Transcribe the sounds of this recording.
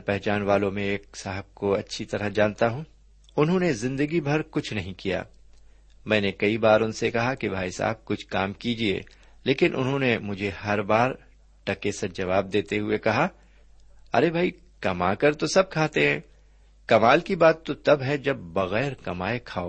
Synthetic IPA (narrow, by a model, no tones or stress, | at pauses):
pɛɦt͡ʃaːnʋaːlõmẽeːk̚saːɦəb̚koɐtːʃʰit̪ɐɾəɦd͡ʒãːnt̪aɦũː | ʊnɦõnezɪ̃nd̪əɡibʱɐɾkʊt͡ʃʰnɐɦĩkija̰ː | mɛ̃ːnekɐibaːɾʊnsekɐɦakibʱaːisa̰ːb̚kʊt͡ʃʰkaːmkid͡ʒiḛː | leːkɪnʔʊ̰nɦõnemʊd͡ʒʱeɦɐɾbaːɾ | ʈɐkesɐd͡ʒɐʋaːb̚d̪eːt̪eɦʊekɐɦa | ɐ̰ɾebʱaːi | kɐmakɐɾt̪osɐb̚kʰaːt̪eɦɛ̃ː | kɐmaːlkibaːt̪ːot̪ɐbɦɛd͡ʒɐbːɐɣɛːɾkɐmaːekʰaːoː